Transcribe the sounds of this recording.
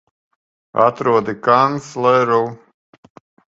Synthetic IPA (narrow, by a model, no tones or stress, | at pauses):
a̰t̪ɾuɔd̪ikanslˠɛɾɔw